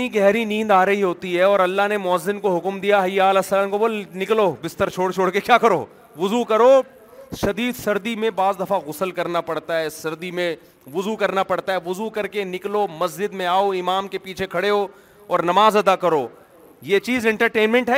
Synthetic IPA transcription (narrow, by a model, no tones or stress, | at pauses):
niɡɛɦɾinĩːnd̪aːɾɐɦiɦoːt̪iɦɛɔːɾɐlːaɦnemʊɐzːɪnkoɦʊkmd̪ijaɦjaːlɐsɐlaːmkoboːlnɪkloːbɪst̪əɾt͡ʃʰoːɽt͡ʃʰoːɽkekʲjaːkɐɾoː | ʋʊzukɐɾoː | ʃɐd̪iːd̪sɐɾd̪imẽbaːzd̪ɐfaɣʊsəlkɐɾnapɐɽt̪aɦɛːsɐɾd̪imẽ | ʋʊzukɐɾnapɐɽt̪aɦɛːʋʊzukɐɾkenɪkloːmɐs̬d͡ʒɪd̪mẽaːoɪmaːmkepiːt͡ʃʰekʰɐɽeɦo | ɔːɾnɐmaːzɐd̪akɐɾoː | jeːt͡ʃiːzɛ̃ɳʈəɾʈeːnmɛ̃ɳʈɦɛː